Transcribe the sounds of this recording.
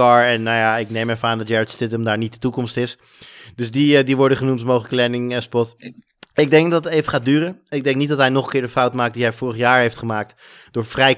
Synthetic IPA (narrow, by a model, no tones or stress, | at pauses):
ɑɹɛnːajaɪknejmɛfaːndɑt̚jɛɹətstɪtdəmdaːɹnit̚dətukɔmstɪs | dɵsdidiʋɔɹdəχənumtmowχləklɛnɪŋəspɔt | ɪɡ̚dɛŋkdɑtətejvəχaːt̚dyːrənɪɡ̚dɛŋknit̚dɑtɦɛjnɔχəŋkɪːɹdəfawtmaːk̚diɦɛjfʊːrəχjaːɹɦejftχəmaːk̚t | d̥ʊːɹfrɛj